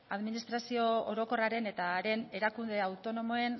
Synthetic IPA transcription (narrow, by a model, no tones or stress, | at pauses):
aðminist̪ɾasio̞o̰ɾo̞ko̞raɾe̞ne̞t̪aɾe̞ne̞ɾakund̪e̞awt̪o̞no̞mo̞e̞n